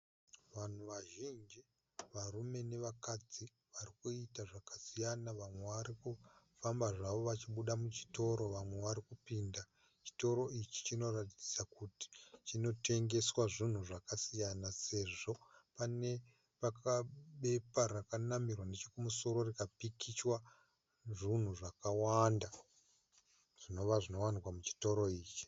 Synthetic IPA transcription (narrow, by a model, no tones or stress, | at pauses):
ʋan̤uʋaʒind͡ʒi | ʋarume̞ne̞ʋakad͡zi | ʋarikuitaʐakḁsijanaʋamwe̞ʋaɾikufambaʐaʋo̞ʋat͡ʃiɓuɗamut͡ʃi̥to̞ɾo̞ʋamwe̞ʋaɾikupiːnda | t͡ʃi̥to̞ɾo̞it͡ʃi̥t͡ʃino̞ratid͡zi̥sakuti̥t͡ʃino̞te̞ŋɡe̞swaʐin̤uʐakasijanase̞ʐo̞pane̞ | pakaɓe̞parakanamirwane̞t͡ʃekumuso̞ɾo̞rikapikit͡ʃwa | ʐin̤uʐakawanda | ʐ̥ino̞ʋaʐino̞wanikwamut͡ʃi̥to̞ɾo̞iːt͡ʃi̥